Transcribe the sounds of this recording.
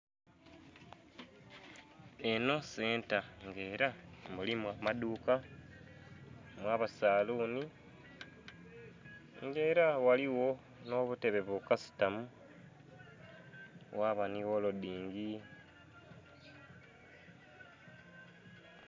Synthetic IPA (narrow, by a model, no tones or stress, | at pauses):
e̞no̞se̞ːntaŋɡe̞ːɾamulimwamaduːka | mwaːβasaːluːni | ŋɡe̞ːɾawaliwo̞ | no̞ːβute̞βe̞βukasi̥tamu | waːβaniwo̞lodiːŋɡi